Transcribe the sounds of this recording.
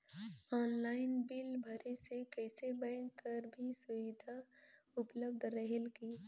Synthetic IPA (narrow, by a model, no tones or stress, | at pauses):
ɔːnlaːɪnbɪlbʱɐɾesekɛːsebɛ̃ːŋkːɐɾbʱisʊʋɪd̪ʱa | ʊpləb̚d̪ʱɾəɦelkiː